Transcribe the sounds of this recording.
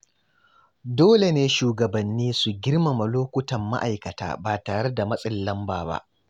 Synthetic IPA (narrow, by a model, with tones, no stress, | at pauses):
doː˦le˨neː˦ʃuː˨ɡɐ˨bɐ˨nːiː˦su˨ɡʲɪ˦rma˨mɐ˨loː˦kʷʊ˦tɐ˨mːa̰˦ʔa˨jkɐ˨ta̰ː˦baː˨taː˨ɽe˦da˨mɐ˦sʼɪ˦˨lːɐ˦mbaː˨ba̰˦ʔ